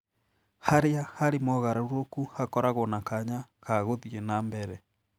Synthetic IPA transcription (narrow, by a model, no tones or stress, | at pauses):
haɾeahaɾemɔɣaɾauɾokuhakɔɾaɣonakaɲakaɣoðienaːmbɛɾɛ